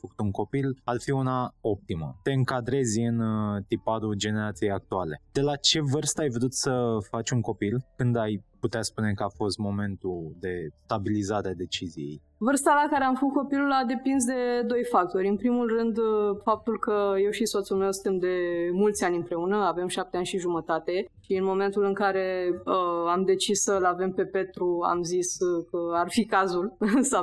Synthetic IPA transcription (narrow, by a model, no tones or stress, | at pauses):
fəku̥t̪uŋko̞pilarfiunao̞p̚t̪imə̰t̪e̞ɨŋkad̪ɾe̞zʲɨnt̪ipad̪ud͡ʒe̞ne̞ɾat̪sijejak̚t̪uale̞d̪̥e̞lat͡ʃe̞vɨrst̪əajvd̪ut̪səfat͡ʃʲuŋko̞pilkɨnd̪ajput̪easpune̞kəafo̞st̪mo̞me̞nt̪ud̪e̞st̪abilizaɾead̪e̞t͡ʃizḭjḛj | vɨrst̪alakaɾeamfəkut̪ko̞pilulad̪e̞pins̬d̪e̞d̪o̞jfak̚t̪o̞ɾʲɨnpɾimulrɨnd̪fap̚t̪ulkəje̞wʃiso̞t̪sulme̞wsɨt̪emd̪e̞mult̪sʲanʲɨnpɾe̞unəave̞mʃap̚t̪eanʲʃiʒumət̪at̪e̞ʃiɨnmo̞me̞nt̪ulɨŋkaɾe̞əamd̪e̞t͡ʃissəlave̞mpe̞pe̞t̪ɾua̰mziskəarfikazulsaw